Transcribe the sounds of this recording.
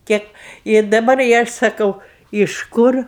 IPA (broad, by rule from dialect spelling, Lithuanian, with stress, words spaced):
ˈkʲeːp ɪr dɐˈbɐr ɪ ˈɐʃ sɐˈkɐʊ ɪʃ ˈkʊr